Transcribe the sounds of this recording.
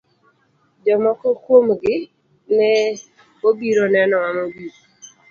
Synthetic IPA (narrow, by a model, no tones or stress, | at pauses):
d͡ʒɔmɔkɔkwomɡɪ | nɛ | obiɾonɛnɔmamobiɾ